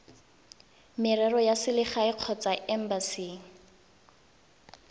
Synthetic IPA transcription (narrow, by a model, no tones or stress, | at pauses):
mɪrɛrɔjasɪlɪχaɪq͡χʰɔt͡saʔɛm̩basiːŋ̩